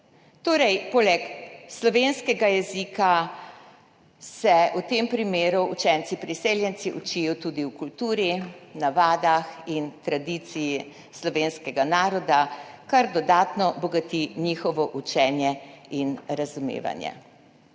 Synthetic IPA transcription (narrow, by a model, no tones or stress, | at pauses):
t̪oːɾɛjpoːlɛkslɔʋeːnskɛɡajɛziːka | sɛut̪eːmpɾimeːɾuːt͡ʃɛnt̪sipɾiseːljɛnt̪siʔut͡ʃijɔt̪ud̪iwkult̪uːɾinaʋaːd̪axint̪ɾad̪it̪siji | slɔʋeːnskɛɡanaːɾɔd̪akaɾd̪ɔd̪aːt̪nɔbɔɡat̪inixɔʋɔʔut͡ʃɛːnjɛinɾazumḛːʋa̰njɛ̰